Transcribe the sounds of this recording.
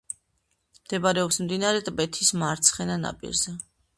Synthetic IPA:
md̪̥ɛbaɾɛɔpsmd̪inaɾɛt̪ʼbɛt̪ʰismaɾt̪sʰχɛnana̰pʼḭɾzɛ

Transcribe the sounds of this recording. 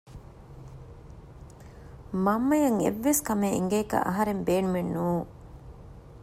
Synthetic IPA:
mɐmːɐjɐŋḛʋːeskɐmeḭŋɡeːkɐ̰ʔɐɦɐɾembeːnumenːuːŋ

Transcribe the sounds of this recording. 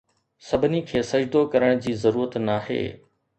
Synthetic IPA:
sɐbʱɪnikʰeːsɐd͡ʑd̪okɐɾəɽ̃d͡ʑiːzɐɾuːɾət̪naːɦḛː

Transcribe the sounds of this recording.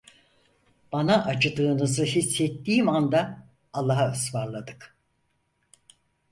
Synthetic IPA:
b̥anaʔat͡ʃɯd̪ɯːnɯzɯɦisːɛt̪ːiːmand̪aː | lˠːaɦasvaɾlˠad̪ɯk

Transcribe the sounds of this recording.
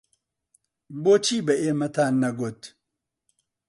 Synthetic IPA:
boːt͡ʃʰiːbɛeːmɐt̪ʰaːnːɐɡot̪

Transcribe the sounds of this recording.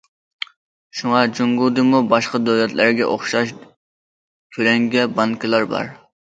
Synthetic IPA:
ʃuŋɑd͡ʒuŋɡud̪ɨmubɑʃqɑd̪øwlɛt̪læɾɡʲɛ̰ʔoχʃɑʃ | kʲʰølɛŋɡʲɛbɑŋkʰʲɪlˠɑɾbɑ̰ɾ

